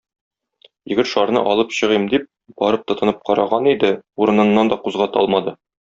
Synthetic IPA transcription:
jɘ̆ɡɘt̪ʃɒɾnɤ̰ʔɒlˠɤpɕɤ̆ʁɤmd̪ip̚ | b̥ɒɾɤp̚t̪ɤ̆t̪ɤ̆nɤp̚qɒɾɑʁɑnid̪ɘuɾɤ̆nɤ̆nːɑnd̪ɒquzʁɑt̪ɒlˠmɑd̪ɤ

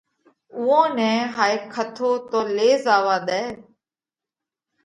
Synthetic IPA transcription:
ʊːõːnɛ̃ːɦaːeːkʰət̪ʰoːt̪oːleːzaːʋaːɗ̪ɛː

